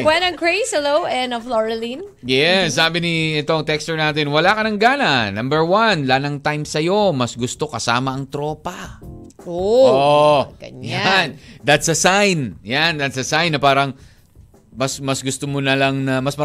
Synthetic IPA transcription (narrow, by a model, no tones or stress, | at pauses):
wɛnɐŋkɹeɪshɛlowɛnɐfloɹlin | jɛsːaːbɪniɛt̪oɐŋt̪ɛkst̪ʊɹnaːt̪ɛnwɐlakɐnɐŋɡaːnɐnɐ̃mbɛɹwɐnlanɐŋt̪ajmsɐjo̞mɐsɡʊst̪o̞kɐsaːmɐʔɐŋt̪ɾo̞ːpɐ | ʔooɡɐ̰ɲjand̪ɐt̪sɐsajnjand̪ɐt̪̚sɐsajnːɐpaːɾɐŋ | mɐsmɐsɡʊst̪omonɐlɐŋnɐmɐsmɐ